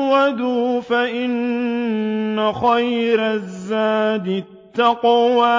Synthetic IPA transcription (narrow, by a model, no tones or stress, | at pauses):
wad̪uːfaʔɪn | axajɾazːaːd̪ɪ | t̪ːɑqwaː